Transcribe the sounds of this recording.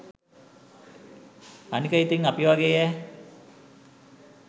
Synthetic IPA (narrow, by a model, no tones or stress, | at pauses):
anikəit̪iŋapiʋaɡeɛ